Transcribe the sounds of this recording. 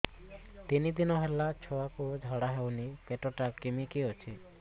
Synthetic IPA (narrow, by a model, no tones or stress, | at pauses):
t̪inid̪inɔɦɛlat͡ʃʰɔakod͡ʒʱɔɽaɦɛwnipeʈoʈakemikeot͡ʃʰi